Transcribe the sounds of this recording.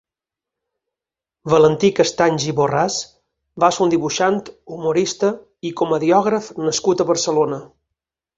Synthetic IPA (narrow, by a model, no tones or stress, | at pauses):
bələnt̪ikəst̪aɲʒiβoras | basund̪iβuʃant̪umuɾist̪ə | ikɔməðiɔɣɾəfnəskut̪əβəɾsəlonə